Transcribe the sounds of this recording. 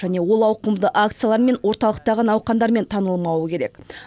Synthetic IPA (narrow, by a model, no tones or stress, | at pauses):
ʒæne̞wo̞lˠɑwqəmd̪əʔakt̪sɨjalˠɑɾme̞nwo̞ɾt̪ɑlˠəq̚t̪ɑʁənɑwqɑnd̪ɑɾme̞nt̪ʰɑnəlˠmɑwəkʲʰe̞ɾe̞k